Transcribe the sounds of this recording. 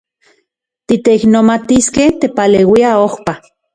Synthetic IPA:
t̪it̪eiknomat̪iskeht̪epaleːwiaohpa

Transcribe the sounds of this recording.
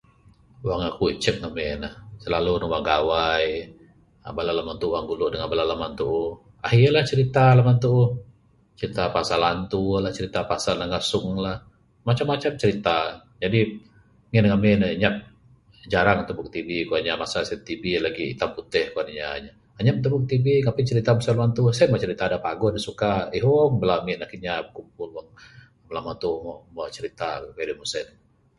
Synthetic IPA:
uwaŋakuiʔt͡ʃək̚ŋamɛnəhsəlalunuwaŋɡawaj | a̰balalamant̪uʔwaŋɡulʊʔdəŋabalalamant̪uʔu | aɦialaht͡ʃəɾit̪alamant̪u | t͡ʃəɾit̪apasalant̪ulaht͡ʃəɾit̪apasalnaŋasʊŋlah | mat͡ʃamːat͡ʃamt͡ʃəɾit̪a | d͡ʒadi | ŋɛnŋaminaɲap̚ | d͡ʒaɾaŋt̪əbʊk̚t̪ibikuaɲamasasaɛt̪ibilaɡit̪amput̪ɛhkuanaɲa̰ːɲa | aɲapt̪əbʊk̚t̪ibiŋapɛt͡ʃəɾit̪amasanlant̪usamaʔt͡ʃəɾit̪adapaɡɔdisukaiɦobəlamɛnakiɲabəkump̚ʊlwaŋ | bəlamat̪ummat͡ʃəɾit̪akkadimusɛt̪

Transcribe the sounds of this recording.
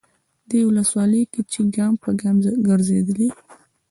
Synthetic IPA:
d̪ewʊləswɑləjket͡ʃeɡɑmpəɡamɡəɾzed̪əli

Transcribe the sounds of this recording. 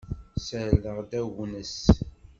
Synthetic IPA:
səɾləʁd̪æwnəs

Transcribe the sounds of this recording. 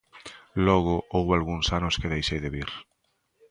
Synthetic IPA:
lɔɣ̞ʊʔowβalɣuŋsanʊskɪðejʃejðeβiɾ

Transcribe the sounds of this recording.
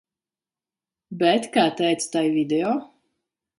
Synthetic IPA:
bʲɛt̪kaːt̪ɛjt̪st̪ajvʲid̪eɔː

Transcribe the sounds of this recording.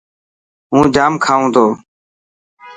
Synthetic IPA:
ɦũːd͡ʒaːmkʰaːũːt̪oː

